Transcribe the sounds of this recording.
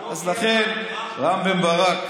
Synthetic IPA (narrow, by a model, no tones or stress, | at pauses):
azlaχen | ʁambembaʁak